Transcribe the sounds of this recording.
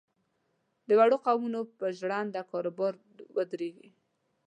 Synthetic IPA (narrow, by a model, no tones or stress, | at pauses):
d̪əwaɽoqawmunopəʒɽɑnd̪akɑɾobɑɾ | wəd̪ɾeɡi